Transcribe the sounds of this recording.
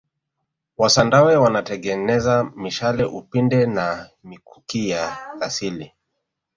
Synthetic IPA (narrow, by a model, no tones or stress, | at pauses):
wasandawɛwanatɛɠɛnɛzamiʃalɛʔupindɛnamikʰu̥kijakasili